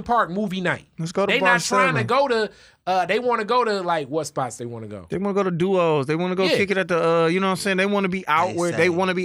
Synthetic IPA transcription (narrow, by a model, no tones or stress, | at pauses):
pʰɑɹk̚muvinaɪt̚lɨtsɡ̥oʊɾəðeɪbnətsɹɛaɪ̃nɨɡoʊɾɨ | ʌðeɪwɑ̃nɨɡoʊɾɨlaɪkwʌtspɑtsðeɪwɑ̰̃nɨ̰ɡo̰ʊðeɪwɑ̃nəɡoʊɾɨduoʊzðeɪwɑ̃nəɡoʊkʰɪkɨɾɨt̪̚ðəʌjɨnoʊ̃sɪ̃nðeɪwɑ̃nɨbiʔaʊʔ̚wə˞d̪ðeɪwɑ̃nɨbi